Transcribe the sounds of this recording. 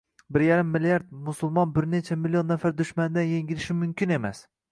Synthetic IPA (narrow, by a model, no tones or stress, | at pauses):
bɪɾjaɾɪmːɪlijaɾd̪̚mʊsʊlˠmɒnbɪɾne̞t͡ʃʰamɪlːio̞nːafaɾd̪ʊʃmand̪anjeŋɡʲɪlɪʃɪmʊmkʲɪne̞mas